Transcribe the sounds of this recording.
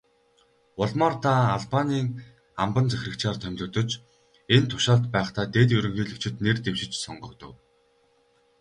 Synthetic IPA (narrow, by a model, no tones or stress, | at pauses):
ʊɮmaːrt̪ʰaːɮpaniːŋ | ampə̆nt͡sæxʲrɘ̆kt͡ɕaːrt̪ʰœmʲɮʊ̆ːt̪ɞ̆t͡ɕ | ent̪ʰʊ̥ʃaːɮt̪pæːχt̪aːt̪eːt̪ɵɾɵ̆ŋxiːɮɵ̆kt͡ɕʰɪ̆t̪nert̪ewʃɪ̆t͡ɕsɔɴɢɞ̆kt̪ɞ̆w